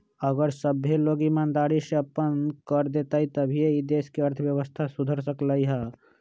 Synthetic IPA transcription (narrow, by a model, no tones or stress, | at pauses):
əɡəɾsəbɦeloːɡimaːnd̪aːɾiseɐpənkəɾd̪eːt̪ait̪ɐbʱieid̪eːskiɐɾt̪ʰʋjəʋəst̪ʰasʊd̪ʱəɾsəklaːiɦaː